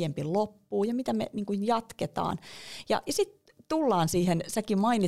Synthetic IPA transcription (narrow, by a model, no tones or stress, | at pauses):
jempilopːuːjɑmit̪æmḛniːŋkunjɑt̪ket̪ɑ̰ːnjɑ̰jɑsit̪ | t̪ulːɑːnsiːhensækimɑini